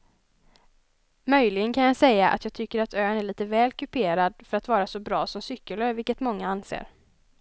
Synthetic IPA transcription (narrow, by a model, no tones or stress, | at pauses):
mœjlɪɡənkʰanjasɛjːaʔa̰t̪jɑːɡ̚t̪ʰʏkːəɾat̪ʰøːənæɭiːt̪əvɛːlkʰɵpʰeːɾad̪fœɾat̪vɑːɾasɔbɾɑːsɔmsʏkːələvɪlkːət̪mɔŋːaansḛːɾ